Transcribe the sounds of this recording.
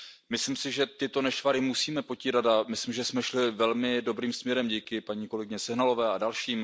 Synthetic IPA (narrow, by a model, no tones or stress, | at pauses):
mɪslimsɪʒɛt̪ɪt̪o̞nɛʃvaɾɪmusiːmɛpo̞ciːɾad̪amɪslimʒɛsmɛʃlɪvɛlmɪdo̞bɾiːmsmɲɛɾɛmɟiːkɪpaɲiːko̞lɛɡɪɲɛsɛɦnalo̞vɛːadalʃiːm